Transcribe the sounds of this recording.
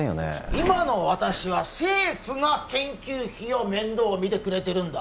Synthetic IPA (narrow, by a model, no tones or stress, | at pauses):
jo̰nḛimano̞βat̪aɕiβ̞ase̞ːɸɯ̟ŋakẽ̞ŋkʲɨːçio̞mẽ̞nd̪o̞ːmʲit̪e̞kɯ̟ɾe̞t̪e̞ɾɯ̟̃nd̪a